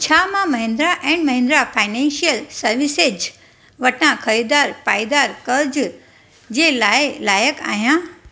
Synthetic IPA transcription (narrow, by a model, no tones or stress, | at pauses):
t͡ɕʰaːmãmɐɦɪ̃nd̪ɾaʔɛ̃ːɖmɐɦɪ̃nd̪ɾafʰaːɪnɛ̃ːnʃijəlsɐɾʋɪsed͡ʑ | ʋɐʈʰnãkʰɐɾid̪aːɾpaːid̪aːɾkɐɾd͡ʑ | d͡ʑelaːelaːjəka̰ːɦjã